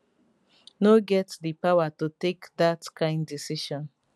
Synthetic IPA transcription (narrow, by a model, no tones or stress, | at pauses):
noɡɛtdipawatutekdatkʰãɪ̃ndisiʃɔ̃n